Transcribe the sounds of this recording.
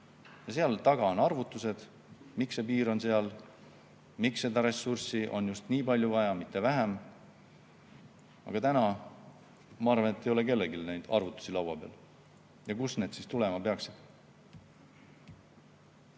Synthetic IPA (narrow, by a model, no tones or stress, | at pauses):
jɑse̞ɑlt̪ɑɡ̥ɑo̞nɑrvut̪ːˑuse̞d̪̥ | miksepiːɾo̞nse̞ɑl | miksːe̞d̪ɑɾe̞sːursiʔo̞̰njust̪niːpɑlʲjuvɑjɑmit̪ːˑe̞væɦæm | ɑ̰ɡ̥ɑt̪ænɑ | mɑɑːrvɑnet̪ːˑejo̞le̞ke̞lːeɡilnejd̪̥ɑ̰rvut̪ːˑu̥silɑwɑb̥e̞ɑl | jɑkusne̞ːd̪̥sist̪ule̞mɑpe̞ɑksid̪̥